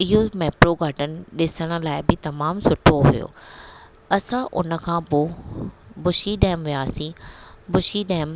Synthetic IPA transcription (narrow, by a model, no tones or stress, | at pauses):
ɪɦomɛːpɾoɡʱaɖənɪ̆ɗɪsəɽ̃ə̆laːɪbɪt̪ɐmaːmsʊʈʰoɦṵjo̰ː | ɐsãʔʊ̰nə̆kʰãːpo | bʊʃiɗɛ̃ːɪmʋijaːsĩbʊʃiɗɛːɪm